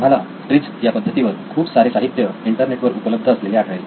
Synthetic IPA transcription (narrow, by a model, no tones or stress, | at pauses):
m̤ala | ʈɾid͡zjapəd̪ʱːət̪iʋəɾkʰuːbsaɾeːsaɦit̪ːjəiɳʈəɾneʈʋəɾupələb̚d̪ʱəsleleaʈʰɳajl